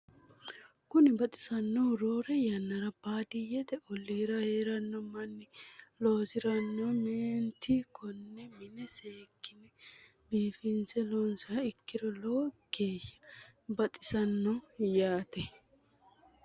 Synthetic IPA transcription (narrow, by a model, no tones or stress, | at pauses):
kʊnɪbɐt̪ʼɪ̥sɐnːɔwɾoːɾɛjɐnːɐɾɐbaːd̪ɪjɛt̪ɛʔɔlːiːɾɐheːɾɐnːɔmɐnːɪloːsɪɾɐnːɔmeːnt̪ːɪkʰɔnːɛmɪnɛseːkːɪnɛ | biːfɪnsɛlɔnsɐɐɪkːɪd̪ɔloɡ̥eːʃːɐ̥bɐt̪ʼɪsɐnːɔjaːt̪ɛ